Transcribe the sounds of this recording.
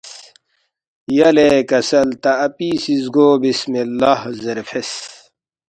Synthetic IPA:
jɐlekɐsɐlt̪ɐɐpisizɡoːbismilːɐhzeɾfʰes

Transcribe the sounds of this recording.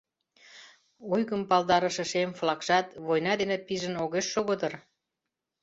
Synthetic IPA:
ojɣəmpɑlˠd̪ɑɾə̆ʃĕʃemflɑkʃɑt̪βojnɑd̪enepiʒə̆noɣeʃːoɣəd̪ər

